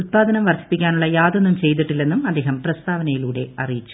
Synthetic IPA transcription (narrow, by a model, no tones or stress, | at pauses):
ut̪̚paːd̪ɐnɐmʋɐrɕi̥pːikʲːaːnuɭːɐjaːd̪enːumt͡ɕe̞jt̪̬iʈːilːe̞nːumɐd̪ːe̞ːɦɐmprɐst̪aːʋɐnɐjiluːɽe̞̰ɐrijit͡ɕːu̥